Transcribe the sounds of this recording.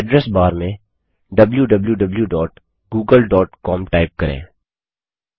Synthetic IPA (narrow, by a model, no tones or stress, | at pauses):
ɖɾɛsbaːɾmẽ | ɖɐbljuɖɐbljuɖɐbljuɖɔːʈ | ɡuːɡəlɖɔːʈkɔːmʈaːɪp̚kɐɾḛ̃ː